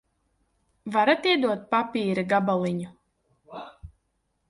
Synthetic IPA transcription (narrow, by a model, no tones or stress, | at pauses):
vaɾat̪iɛd̪uɔt̪̚papʲiːɾɨɡabalˠiɲu